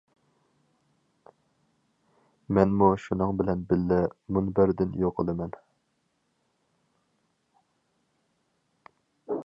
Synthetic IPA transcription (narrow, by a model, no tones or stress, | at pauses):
mɛnmuʃunɨŋbɪlɛnbɪlːɪmunbɪɾd̪ɪnjoqʰəlˠɨmɛn